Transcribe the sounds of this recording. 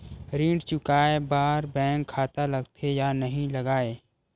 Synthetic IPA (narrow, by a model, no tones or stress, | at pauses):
ɾĩːɖt͡ʃʊkaːebaːɾbɛ̃ːŋkʰːaːt̪alɐɡt̪ʰejaːnɐɦĩlɐɡaːeː